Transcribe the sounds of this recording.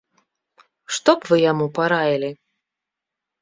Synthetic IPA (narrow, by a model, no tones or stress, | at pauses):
ʂt̪ɔpvɨjamupaɾajʲilʲi